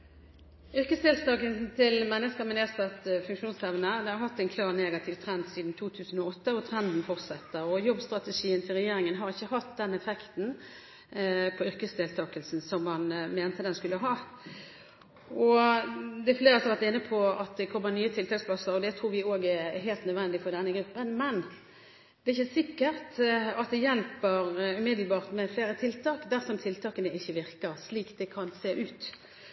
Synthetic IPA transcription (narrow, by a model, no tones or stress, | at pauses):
ʏɾkəsd̪eːlt̪ɑːkəlsn̩t̪ʰɪlmɛnːəskəmɛneːsɑt̪fʉŋkʂuːnsɛʋnəd̪ɛhɑɾhɑt̪ːæɪnkʰlɑːʁneːɡɑt̪ʰɪʋt̪ʰʁɾɛnd̪siːd̪n̩t̪ʰuːt̪ʰʉːsən̩ɔɔt̪ːəɔt̪ʰʁɛnd̪n̩fɔʁt̪sɛt̪ːəɾɔjɔbst̪ʁɑt̪əʂiːənt̪ʰɪlʁɛjeːɾɪŋənɦɑʁɪçːəɦɑt̪d̪ɛnɛfɛkt̪n̩ | pʰɔʏʁkəsd̪eːlt̪ʰɑːkəlsn̩sɔmːɑnmeːnt̪əd̪ɛnskʉlːəɦɑː | ɔ | d̪ɛfleːʁəsɔʋæʁt̪ɪnːəpʰɔɑt̪̚d̪ɛkʰɔmːənyːət̪ʰɪlt̪ɑːkspʰlɑsəɾɔd̪ɛt̪ʰʁuːɾʋɪoːɡæɦeːlt̪nœd̪ʋɛnd̪ɪfɔʁd̪ɛnːəɡɾʉpːənmɛn | d̪ɛæɪçːəsɪkːəʁt̪ɑt̪̚d̪ɛjɛlpəɾʉːmɪd̪l̩bɑːʁt̪mɛfleːɾət̪ʰɪlt̪ʰɑːkd̪æʁsɔmt̪ʰɪlt̪ʰɑːkənəɪçːəʋɪʁkəɾsliːk̪d̪ɛkʰɑnseːʔʉːt̪